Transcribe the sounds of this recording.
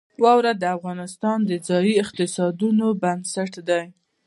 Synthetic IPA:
wɑwɾad̪əafɣɑnɪst̪ɑnd̪əd͡zɑjiɪqt̪ɪsɑd̪unobansaʈd̪aj

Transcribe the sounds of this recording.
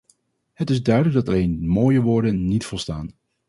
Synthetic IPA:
ɦətɪzdœɥdələɡdɑtɑlejnmoːjəʋʊːɹdənːitfɔlˠstaːn

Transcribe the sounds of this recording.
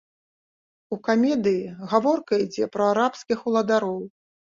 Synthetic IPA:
ukamʲɛd̪ɨjiɣavɔrkɐid͡zʲɛpɾɐaɾapskʲixulˠɐd̪aɾɔw

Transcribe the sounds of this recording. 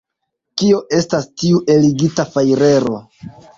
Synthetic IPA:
kio̞ʔe̞stastiuʔe̞liɡitafajɾe̞ɾo̞

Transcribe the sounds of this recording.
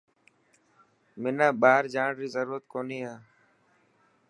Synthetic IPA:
mɪnãːɓaːəɾd͡ʒaːɳɾiːzəɾuːɾət̪koːniːɦaː

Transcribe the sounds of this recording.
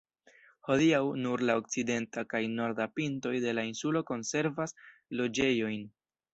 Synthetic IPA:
ho̞diawnuɾlao̞k̚t͡side̞ntakajno̞ɾdapinto̞jde̞lainsulo̞ko̞nse̞ɾvaslo̞d͡ʒe̞jo̞jn

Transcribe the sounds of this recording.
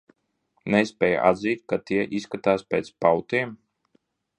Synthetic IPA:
nɛspʲɛːj̰ʔa̰d̪ziːt̪̚kat̪iɛʔiskat̪aːspʲeːt̪spawt̪iɛm

